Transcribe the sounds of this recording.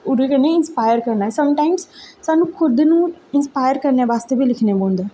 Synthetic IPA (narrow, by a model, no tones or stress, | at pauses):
ʊɾekənẽɪnspaːjəɾkəɾnaːɦɛsɐmʈaːɪmssaːnũːkʰʊd̪nũːɪnspaːjəɾkəɾneaːʋaːst̪ebʱilɪkʰnebõːnd̪eː